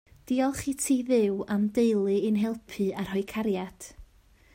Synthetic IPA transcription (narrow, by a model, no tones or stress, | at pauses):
d̥iːɔlˠχitʰiːðɪwamdejlˠɨːnɦɛlˠpʰɨar̥hɔɨkʰaɾjad̥